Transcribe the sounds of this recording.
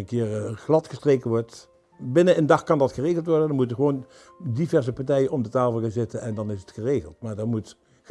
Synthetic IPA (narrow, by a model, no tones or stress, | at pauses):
ənkɪːrχlɑtχəstrejkənʋɔɹt | bɪnənəndɑχkɑndɑtχəreːɣəlˠtʋɔɹdəndɑnmutəɣəʋon | divɛɹzəpaɹtɛjənɔmdətaːfəlˠkanzɪtənɛndɑnɪsətχəreːχəlˠtmaːɹdɑmut